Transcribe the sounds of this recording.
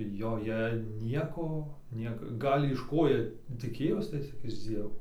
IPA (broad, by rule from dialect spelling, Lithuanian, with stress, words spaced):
joːˈjɛ ˈnʲiɛkoː ˈnʲiɛkɐ ˈɡɐlʲ ɪʃ ˈkoː ˈjiɛ tʲɪˈkʲeːjoːs tɐɪ ˈt͡sʲɪk ɪʃ ˈd͡zʲiɛʋoː